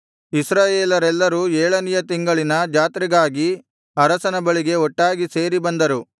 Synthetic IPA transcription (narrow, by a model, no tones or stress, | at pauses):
isɾaːjeːlɐɾɛlːɐɾuːeːɭɐnijɐt̪iŋɡɐɭinɐd͡ʒaːt̪ɾiɡaːɡi | ɐɾɐsɐnɐbɐɭiɡe̞ɔʈːaːɡise̞ːɾibɐnd̪ɐɾu